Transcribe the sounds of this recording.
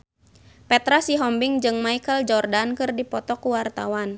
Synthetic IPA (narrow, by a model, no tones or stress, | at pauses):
pɛt̪ɾasiɦɔmbiŋd͡ʒɨŋmaikəld͡ʒɔrdankɨrdipɔt̪ɔkuwart̪a̰wan